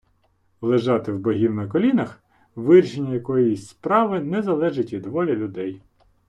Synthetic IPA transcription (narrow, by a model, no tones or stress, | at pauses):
lˠeʒɑt̪ɪwbɔɦʲiwnɐkɔlʲinɐx | ʋɪrʲʃenʲːɐjɐkɔjisʲspɾɑʋɪnɛzɐlˠɛʒɪtʲʋʲid̪ʋɔlʲɐlʲʊd̪ɛj